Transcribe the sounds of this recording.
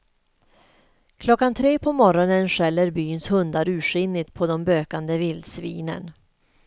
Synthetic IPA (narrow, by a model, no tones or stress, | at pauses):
kʰlɔkːant̪ʰɾeːpʰɔmɔɾɔnənʂɛlːəɾbyːnshɵnd̪aɾʉ̟ːʂʏnːɪt̪pʰɔd̪ɔmbøːkand̪əvɪld̪svḭːnə̰n